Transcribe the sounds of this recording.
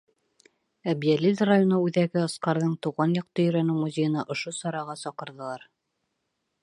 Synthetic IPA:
æbjælʲizrajonoʉðæɡɘɑsqɑɾðɤɴt̪uʁɑnjɑq̚t̪ɤjɵ̆ɾænɘmuzʲejɤ̆nɑʔŏʃosɑɾɑʁɑsɒqɤ̆ɾðɤ̆lˠɑɾ

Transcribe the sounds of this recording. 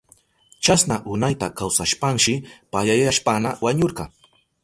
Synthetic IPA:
t͡ʃasnaʔʊnajt̪akawsaʃpaŋʃɪpaʎajaʃpanawaɲoɾɢɑŋ

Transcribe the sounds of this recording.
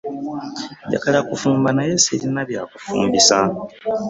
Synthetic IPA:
ɟa̰kalakufuːmbanajesiɾinaβjaːkufṵːmbisa

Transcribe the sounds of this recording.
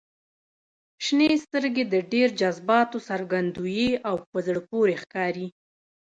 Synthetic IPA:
ʃnest̪əɾɡed̪əɖeɾd͡ʒazbɑt̪osaɾɡand̪ujeawpəzɽəpoɾexkɑɾi

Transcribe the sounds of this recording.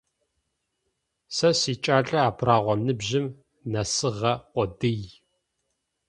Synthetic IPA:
sɐsiːt͡ʃʼaːɬʼɐaːpʰraːʁʷɔmnɨbʑɪm | nɐsɨʁɐqʷɔdɨj

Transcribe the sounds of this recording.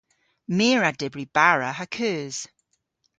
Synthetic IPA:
miːɹadɛbɹib̥aɹəəkʰɜːz̥

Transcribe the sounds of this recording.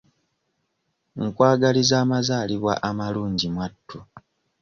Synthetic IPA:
ŋkwaːɡalizaːmazaːliβwa̰ʔamaluːɲɟimwatːu

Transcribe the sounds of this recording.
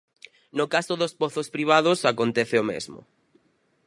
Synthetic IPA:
nokasoðospoθospɾiβ̞aðʊsakont̪ɛθɪomḛzmʊ̰

